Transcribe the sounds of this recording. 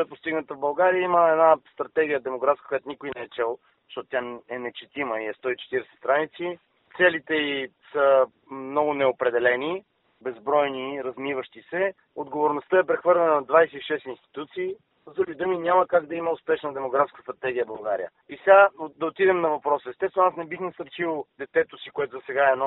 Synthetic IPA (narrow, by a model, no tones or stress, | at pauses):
ɛt̪̚post̪iɡnət̪əvbɐlˠɡaɾijəiməɛd̪nast̪ɾɐt̪ɛɡʲijəd̪ɛmoɡɾafskəkojat̪ʊnikʊinɛɛːt͡ʃɛlˠ | ʃt̪ɔt̪ot̪ʲjaɛnɛt͡ʃɛt̪iməiɛst̪ɔit͡ʃɛ̥t̪iɾɛsɛ̥st̪ɾanit̪si | t̪sɛlit̪ɛisə | mnɔɡʊnɛopɾɛd̪ɛlɛni | bɛzbɾɔjniɾɐzmivəʃt̪isɛ | od̪ɡovoɾnost̪əɛpɾɛxvɤɾlʲɛnənɐd̪vajsɛiʃɛst̪inst̪i̥t̪ut̪siː | zd̪ɾuɡid̪uminʲamɐkaɡd̪ɐiməʊspɛʃnəd̪ɛmoɡɾafskə̥st̪ɾɐt̪ɛɡ̟ijəbɐlˠɡaɾḭə̰ | isɛɡad̪ɐot̪id̪ɛmnɐvɐpɾɔsəɛst̪ɛsvɛnasnɛbixnɛsəɾʃilˠd̪ɛt̪ɛt̪osikoɛt̪ʊzɐsɛɡaɛːnɔ